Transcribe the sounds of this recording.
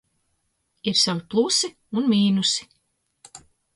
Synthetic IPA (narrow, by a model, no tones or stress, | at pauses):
iɾsaviplˠusi | unmʲiːnusi̥